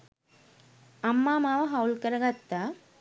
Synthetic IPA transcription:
ɐmːaːmaːʋɐɦɐwlkɐɾɐɡɐt̪ːa

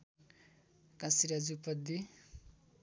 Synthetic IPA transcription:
kãsiɾad͡zupʌd̪i

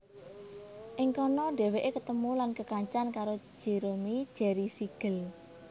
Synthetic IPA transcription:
ʔɪŋkɔnɔɖ̥ɛ̤weʔekət̪əmulankəkaɲt͡ʃankaɾo̥ʒ̥e̤ɾomid̥ʒ̥ɛ̤ɾisiɡ̥əl

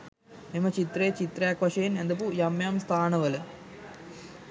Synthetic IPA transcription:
nimːɐt͡ɕit̪ret͡ɕit̪rjaːkʋɐʂɐjinend̪ɐpujɐmjaːmst̪ʰaːɳɐʋɐlɨ

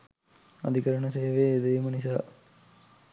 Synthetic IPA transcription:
a̰d̪ikəɾəɳəseːʋeːd̪əjmənis̬aː

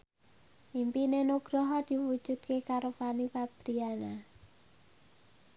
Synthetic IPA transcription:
ʔimpinenuɡ̥ɾɔɦɔd̪̥i̤wud̥ʒ̥ut̪̚kekaɾufanipab̥ɾiana

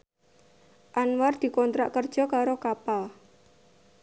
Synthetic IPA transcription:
ʔanward̪̥i̤kɔnt̪ɾa̰ʔkərd̥ʒ̥ɔ̤kaɾokapa

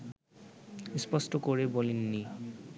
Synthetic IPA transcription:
ispɔsʈokoɾebolinːi

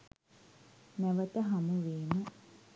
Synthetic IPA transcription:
nɛʋət̪əɦɐmuʋeːmə

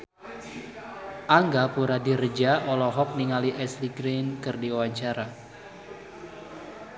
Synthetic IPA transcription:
ʔaŋɡapuɾadirəd͡ʒaʔɔlɔɦɔk̚niŋaliʔɛsliɡɾenkɨrdiawaɲt͡ʃaɾa

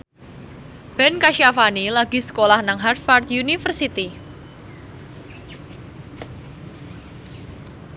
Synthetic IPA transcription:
b̥ɛnkaʃjafanilaɡ̥i̤sə̥kolahnaŋɦart̪fard̪unifərsit̪i

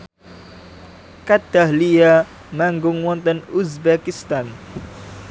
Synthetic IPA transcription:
kad̪̥ahlia | maŋɡʊŋwɔnt̪ɔnusbakist̪an

